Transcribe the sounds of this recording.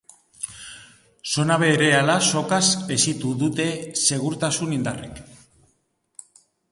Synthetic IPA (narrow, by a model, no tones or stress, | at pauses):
so̞naβe̞ːɾe̞alaso̞kase̞sit̪uðut̪e̞se̞ɣ̞uɾt̪asunind̪a̰rḛk